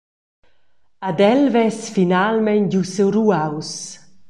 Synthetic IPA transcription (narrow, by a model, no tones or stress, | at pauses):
ad̪ɛlvɛsfinalmɛnɟusewruaws